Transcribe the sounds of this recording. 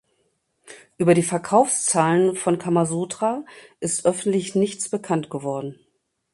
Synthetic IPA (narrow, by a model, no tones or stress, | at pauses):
ʔyːbɐɾiːfɛɐkʰaʊfst͡saːlənfɔnkʰamazoːtʁ̥aʔɪstʔœfn̩tlɪçnɪçt͡sb̥əkʰantɡ̥əvɔɐdn̩